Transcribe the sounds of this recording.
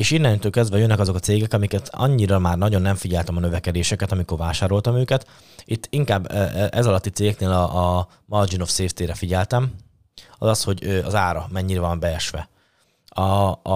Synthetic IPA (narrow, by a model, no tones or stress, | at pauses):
eːʃinːɛnit̪ulkɛzd̪vɛjønːɛkɒzo̞kɒt̪seːɡɛkɒmikɛt̪ʰɒ̰ɲːiɾɒmaːrnɒɟo̞nːɛɱfiɟɛlt̪ɛmɒnøvɛkɛd̪eːʃɛkɛt̪ɒmiko̞rvaːʃaːɾo̞lt̪ɒmøːkɛt̪ | it̪ːiŋkaːbːʔɛzɒlɒt̪ːit̪seːɡɛkneːlɒː | mɒrd͡ʒino̞fseːft̪eːɾɛfiɟɛlt̪ɛm | ɒ̰zɒsho̞ɟøɒzaːɾɒmɛɲːiɾɛvɒmbɛɛʃʋɛ̰ | ɒ